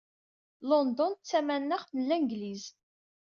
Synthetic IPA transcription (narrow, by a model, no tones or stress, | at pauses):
lɔnd̪ɔnt͡sːæmænːəʁθlːæŋɡliz